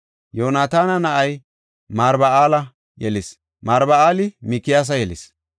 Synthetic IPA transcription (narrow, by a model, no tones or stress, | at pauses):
joːnaːt̪aːnɐnɐʔɐj | maːɾbɐaːlɐ | jɛlɪs | maːɾbɐaːlɪmikːɪjaːs̬ɐjɛlɪ̰s